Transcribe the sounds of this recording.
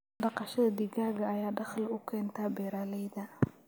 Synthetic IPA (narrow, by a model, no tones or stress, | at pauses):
ɖɑqɑʃɐðɐd̪iɣaːɣɐːjaːɖɑχlʊkʰɛːnt̪ʰaːbɛːɾaːlɛjðɐ